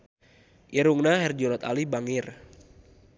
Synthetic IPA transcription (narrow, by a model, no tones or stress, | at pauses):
ʔiɾuŋnaɦɛrd͡ʒɔlɔt̪a̰libaŋɪr